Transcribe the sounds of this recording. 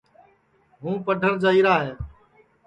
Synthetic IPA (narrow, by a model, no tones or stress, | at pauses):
ɦũːpəɖʱəɾd͡ʒaːiːɾaːɦeː